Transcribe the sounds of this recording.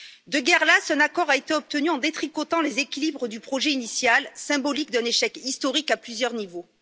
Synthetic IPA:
d̪əɡɛʁlasɛ̃nakɔʁaet̪eɔp̚t̪ənyɑ̃d̪et̪χikɔt̪ɑ̃lezekʲilibʁəd̪ypχɔʒɛinisjalsɛ̃bɔlikd̪ɛ̃neʃɛkist̪ɔʁikaplyzjœʁnivo

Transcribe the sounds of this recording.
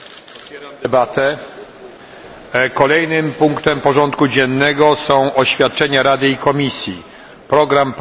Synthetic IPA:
ɛbat̪ɛ | kɔlɛjnɘmpuŋkt̪ɛmpɔʐɔnt̪kud͡ʑɛnːɛɡɔsɔ̃w̃ʔɔɕfʲjat̪̚t͡ʂɛɲaɾad̪ɘikɔmʲisʲji | pɾɔɡɾamp

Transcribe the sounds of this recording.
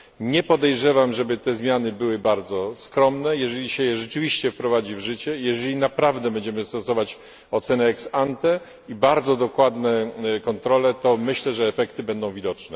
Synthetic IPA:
ɲɛpɔd̪ɛjʐɛvamʐɛbɘt̪ɛzmʲjanɘbɘwɘbaɾd̪zɔskɾɔmnɛjɛʐɛlʲiɕɛjɛʐɛt͡ʂɘvʲiɕt͡ɕɛfpɾɔvad͡ʑivʐɘt͡ɕɛjɛʐɛlʲinapɾavd̪ɛbɛɲd͡ʑɛmɘst̪ɔsɔvat͡ɕ | ɔt̪sɛnɛːksant̪ɛ | ibaɾd̪zɔd̪ɔkwad̪nɛkɔnt̪ɾɔlɛt̪ɔmɘɕlɛʐɛːfɛkt̪ɘbɛnd̪ɔ̃w̃vʲid̪ɔt͡ʂnɛ

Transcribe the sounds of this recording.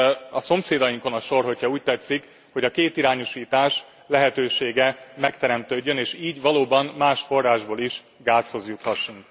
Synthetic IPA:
ɒso̞mseːd̪ɒjiŋko̞nɒʃo̞rɦo̞chɒuːc̚t̪ɛt̪sːik | ho̞ɟɒkeːt̪iɾaːɲoʃiːt̪aːʃ | lɛɦɛt̪øːʃeːɡɛmɛkt̪ɛɾɛmt̪øːɟːøneːʃiːɟʋɒloːbɒmːaːʃfo̞rːaːʒboːliʃ | ɡaːsho̞zjut̪ːɒʃːuŋk

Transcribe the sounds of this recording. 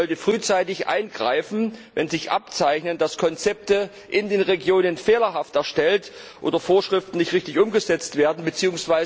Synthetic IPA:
ɔltəfʁ̥yːt͡saɪtɪçʔa̰ɪnɡʁa̰ɪfn̩vɛnzɪçʔa̰p̚t͡saɪçnənd̥askʰɔnt͡sɛp̚tə | ʔɪndeːnʁeɡjoːnənfeːlɐɦaftɛɐʃtɛltʔo̰ːdɐfoːɐʃʁ̥ɪftn̩nɪçtʁɪçtɪçʔʊmɡəzɛt͡stv̥eːɐdn̩bət͡siːʊŋsv̥aɪz

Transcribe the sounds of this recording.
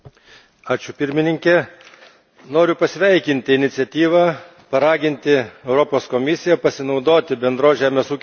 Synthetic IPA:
ɑːt͡ʃʲʊpʲɪɾʲmʲɪnʲɪŋʲkʲɛ | noːɾʲʊpɐsʲʋʲɛɪkʲɪnʲt̪ʲɪɪnʲɪt̪sʲɛt̪ʲiːʋɑː | pɐɾɑːɡʲɪnʲt̪ʲɪɛʊɾɔpoːskɔmʲɪsʲɪjɛpɐsʲɪnɒʊd̪oːt̪ʲɪbʲɛnd̪ɾoːsʒʲæːmʲeːsuːkʲ

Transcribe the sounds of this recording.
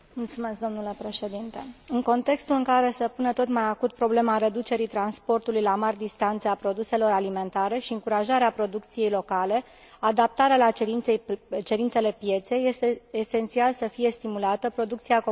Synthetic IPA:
mult̪sume̞sk̚d̪o̞mnule̞pɾe̞ʃe̞d̪int̪eɨŋko̞nt̪e̞kst̪ulɨŋkaɾe̞səpunət̪o̞t̪majakut̪̚pɾo̞ble̞maɾe̞d̪ut͡ʃe̞ɾit̪ɾanspo̞rt̪ulujlamarʲd̪ist̪ant̪seapɾo̞d̪use̞lo̞ɾalime̞nt̪aɾe̞ʃiɨŋkuɾaʒaɾeapɾo̞d̪uk̚t̪sije̞jlo̞kale̞ | ad̪ap̚t̪aɾealaiet͡ʃe̞ɾint̪se̞le̞pje̞t̪se̞jːe̞st̪eese̞nt̪sialsəfije̞st̪imulat̪əpɾo̞d̪uk̚t̪siak

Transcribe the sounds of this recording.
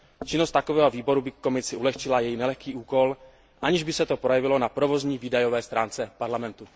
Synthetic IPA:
t͡ʃɪnost̪akovɛːɦo̞viːbo̞ɾubɪkːo̞mɪsɪʔulɛxt͡ʃɪlajɛjnɛlɛxkiːʔuːko̞l | ʔaɲɪʒbɪsɛt̪o̞pɾo̞jɛvɪlonapɾovozɲiːviːdajo̞vɛːst̪ɾaːnt͡sɛpaɾlamɛnt̪u

